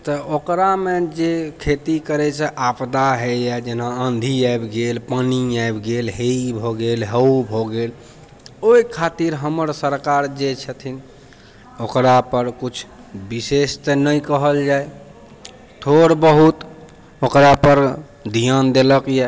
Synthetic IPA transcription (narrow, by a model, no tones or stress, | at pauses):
t̪ɔokɾamed͡ʒekʰet̪ikəɾɛt͡ʃʰɛʔapd̪aɦejɛd͡ʒenaənd̪ʱiaebɡelpəniaebɡelɦeibʱɔɡelɦəubʱoɡel | oikʰat̪iɾɦəməɾsəɾkaɾd͡ʒet͡ʃʰət̪ʰin | okɾapəɾkut͡ʃʰ | bisest̪ənəjkəɦəld͡ʒaj | t̪ʰoɾbəɦut̪ | okɾapəɾ | d̪ʱijand̪eləkjɛ